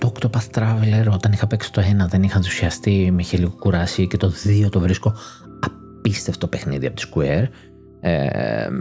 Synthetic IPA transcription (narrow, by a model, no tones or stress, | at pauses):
t̪okt̪opɐθt̪ɾɐveleɾo̞t̪ɐnixɐpeksi̥t̪o̞e̞nɐðe̞nixɐnðesu̥siɐst̪imeiçeliɣokuɾɐsicet̪oðio̞t̪o̞vɾisko̞ | ɐ | pist̪eft̪t̪opexniðiɐpot̪i̥skueɾ | ḛ